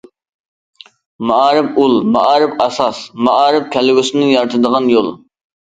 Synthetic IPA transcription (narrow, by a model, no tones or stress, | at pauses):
mɑɑːɾɪpulˠmɑʔɑːɾɪpɑsɑsmɑʔɑːɾɪp̚kʲʰɛlɪɡʲʊsɪnɪŋjɑɾt̪ʰɨd̪əʁɑnjolˠ